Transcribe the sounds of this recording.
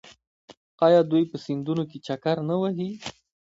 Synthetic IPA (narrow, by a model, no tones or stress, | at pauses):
qɑjad̪ujpəsɪnd̪unok̬et͡ʃakaɾnawaɦi